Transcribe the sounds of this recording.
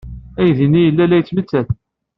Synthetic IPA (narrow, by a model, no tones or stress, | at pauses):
æjðinijəlːælæjt͡sːmət͡sːæθ